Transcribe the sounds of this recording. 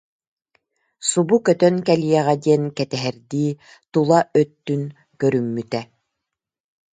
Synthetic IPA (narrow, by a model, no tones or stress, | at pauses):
subukœt̪œnkɛlijɛʁɛd̪iɛnkɛt̪ɛɦɛɾd̪iː | t̪ulˠaʔœt̪ːyn | kœɾymːyt̪ɛ